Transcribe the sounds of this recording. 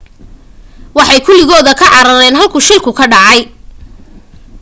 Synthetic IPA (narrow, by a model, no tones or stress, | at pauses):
wɑħɑjkʰʊlɪɣɔːðɐkʰɐʕɑɾɐɾɛːnɦɐlkʰʊʃɪlkʰʊkʰɐɖɑʕɑj